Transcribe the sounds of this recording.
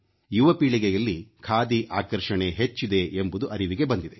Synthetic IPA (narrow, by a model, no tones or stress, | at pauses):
juʋɐpiːɭiɡejɐlːikʰaːd̪iʔaːkɐɾʂɐɳe̞ɦet͡ʃːid̪e̞ʔembud̪uʔɐɾiʋiɡe̞bɐnd̪id̪e̞